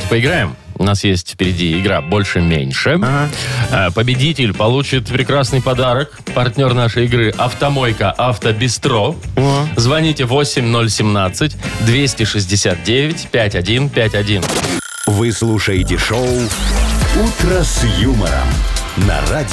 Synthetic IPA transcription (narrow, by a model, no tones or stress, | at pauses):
pəɪɡɾajɪmʊ̰nasjesʲtʲfpʲɪɾʲɪdʲiɪɡɾa̰bo̞lʲʂɨmʲḛnʲʂɨ | əpəbʲɪdʲitʲɪlʲpɐlˠut͡ɕɪt̪pɾʲɪkɾasnɨjpɐd̪aɾəkpɐrtʲnʲo̞rnaʂəjɪɡɾɨʔɐft̪ɐmo̞jkəʔaft̪əbʲɪst̪ɾo | zvɐnʲitʲɪvo̞sʲɪmʲno̞lʲsʲɪmnat̪sɨtʲd̪vʲesʲtʲɪʂɨzʲdʲɪsʲat̪̚dʲevʲɪtʲpʲætʲɐdʲinpʲætʲɐdʲin | vɨslˠuʂəjtʲɪʂoʊ | ut̪ɾəsjumə̰ɾə̰mnɐ̰radʲ